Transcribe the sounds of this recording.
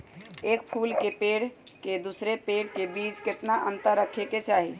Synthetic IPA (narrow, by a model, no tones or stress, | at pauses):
ek̚pʰulkepeɽked̪usɾepeɽkebid͡ʒket̪naʔənt̪əɾːəkʰeket͡ʃaɦi